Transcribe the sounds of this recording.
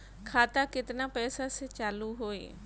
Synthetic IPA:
kʰaːt̪akɪt̪napɛːsaset͡ʃaːluɦoːḛː

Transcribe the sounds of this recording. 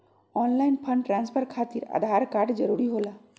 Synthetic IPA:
ɔnlajnpʰəɳɖʈɾanspʰəɾkʰat̪iɾa̰d̪ʱaɾkaɾɖd͡ʒəɾuɾiɦola

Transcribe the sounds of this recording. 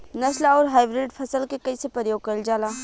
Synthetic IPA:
nɐʃlaɔːɾɦaːjbɾɪɖpʰɐsəlkekɐisepɾəəjoːɡ̚kɐɾld͡ʒaːlaː

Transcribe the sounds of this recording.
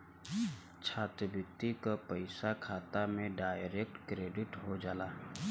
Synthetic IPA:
t͡ʃʰaːt̪ɾəbʊk̚t̪ikapəɪsakʰaːt̪amẽɖaːjɾek̚ʈkɾeːɖɪʈɦod͡ʒaːlaː

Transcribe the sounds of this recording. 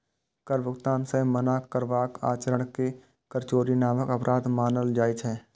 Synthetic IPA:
kəɾbʊkt̪aːnsẽmənakəɾʋaːka̰ːt͡ʃəɾəɽ̃ke | kəɾt͡ʃoːɾinaːməkɐpɾʔaːd̪maːnəld͡ʒaːit͡ʃɦɛː

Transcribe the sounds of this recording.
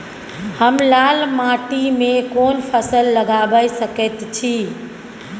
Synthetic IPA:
həmlalmaʈimekonpʰəsəlːəɡabəjsəkɛt̪t͡ʃʰi

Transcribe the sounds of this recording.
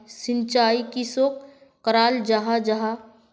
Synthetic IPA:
sɪ̃nt͡ʃaːikisoːk | kəɾaːld͡ʒaɦad͡ʒaɦa

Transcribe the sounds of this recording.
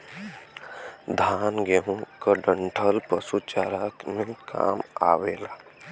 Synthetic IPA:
d̪ʱaːnɡeɦũkəɖəɳʈʰəlpəsut͡ʃaːɾakmẽka̰ːma̰ʋela

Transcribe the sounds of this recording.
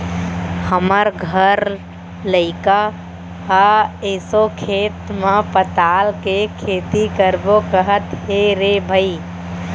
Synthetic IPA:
həməɾɡʱəɾ | ləɪka | haesokʰeːt̪mepət̪alkekʰeːt̪ikəɾbokəɦət̪ɦeɾebʱəi

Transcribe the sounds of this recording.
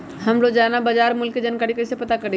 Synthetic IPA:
həmlod͡ʒanabəd͡ʒaɾmʊlkːed͡ʒankaːɾikəɪsepət̪akəɾ

